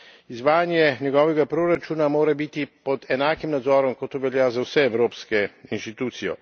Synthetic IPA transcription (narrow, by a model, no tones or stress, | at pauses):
izʋaːjanjɛnjɛɡɔːʋɛɡapɾoɾat͡ʃuːnamoːɾabit̪ipɔd̪ɛnaːkimnad̪zɔːɾɔmkɔt̪ːoʋɛljazawsɛɛwɾoːpskɛinʃt̪it̪uːt̪sijɔ̰